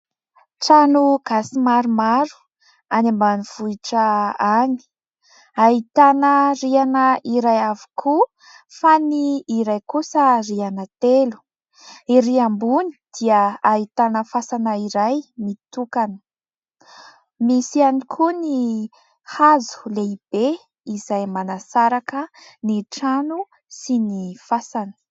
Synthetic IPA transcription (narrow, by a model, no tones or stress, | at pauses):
ʈ͡ʂanuɡ̥asimaɾumaɾu̥ | anambaniv̥uiʈ͡ʂəani̥ | aɦit̪anərianəʔiɾajavi̥kʰu | faniːɾajkusərianət̪elu̥ | iɾiambunid̪̥iəait̪anəfasanəiɾajmit̪ukanə̥ | misianikʰuni | hazu̥leib̥e | izajmanasaɾakəniʈ͡ʂanu | sinifasanə̥